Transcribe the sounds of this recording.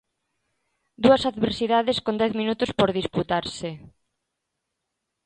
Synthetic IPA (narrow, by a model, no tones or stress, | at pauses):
d̪uɐsaðβeɾsiðaðeskond̪ɛθminut̪ʊspoɾðisput̪aɾse